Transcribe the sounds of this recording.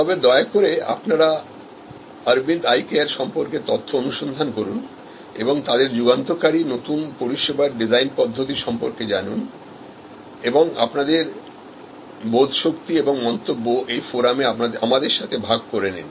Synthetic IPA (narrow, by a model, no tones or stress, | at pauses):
t̪ɔbed̪ɔeakoɾea̰pnaɾa | aɾbind̪ajkeaɾʃɔmpoɾket̪ɔt̪ʰːoonuʃond̪ʱankoɾun | ḛboŋt̪ad̪eɾd͡ʑuɡant̪okaɾinot̪unpoɾiʃebaɾɖid͡ʑajnpɔd̪ʱːot̪̬iʃɔmpoɾked͡ʑanun | eboŋa̰pnad̪eɾ | bod̪ʱʃokt̪ieboŋmɔnt̪obːoʔejfoɾameaaamad̪eɾʃat̪ʰebʱaɡ̚koɾenḭn